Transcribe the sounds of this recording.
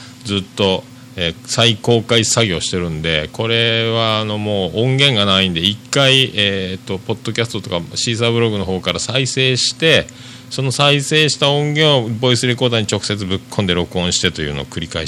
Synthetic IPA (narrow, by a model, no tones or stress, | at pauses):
d͡zɨt̪ːo̞ | eːsaiko̞ːkaisaɡʲo̞ːɕi̥t̪e̞ɾɯ̟̃nd̪e̞̰ko̞ɾe̞βaːno̞mo̞ːʔõŋɡẽ̞ŋɡanaĩnd̪e̞ikːaieːt̪ːo̞po̞d̪̥ːo̞kʲasɨ̥t̪o̞t̪okaɕiːs̬aːbɯ̟ɾo̞ɡɯ̟no̞ho̞ːkaɾasaise̞ːɕi̥t̪e̞ | so̞nosaise̞ːɕi̥t̪aõ̞ŋɡẽ̞ɰ̃o̞bo̞isɨɾe̞ko̞ːd̪aɲ̟it͡ɕo̞kɯ̟̥se̞t͡sɨbɯ̟kʰːõnd̪e̞ɾo̞kɯ̟õ̞ɕi̥t̪e̞t̪o̞jɯ̟̰ːno̰ːkɯ̟ɾʲikai